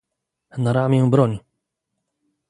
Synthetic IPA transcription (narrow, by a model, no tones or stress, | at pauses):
naɾamʲjɛ̃bɾɔɲ